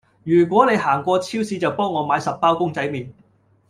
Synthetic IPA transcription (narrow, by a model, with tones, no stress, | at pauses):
jyː˨˩k̬ʷɔː˨˥ne˨˧jɦaː˨˩ŋkʷɔː˧t͡sʰiː˥wsiː˨˧t͡sɐ˨wpɔː˥ŋːɔː˨˧maː˨˥jsɐ˨p̚ːaː˥wkʊ˥ŋt͡sɐ˨˥jmiː˨n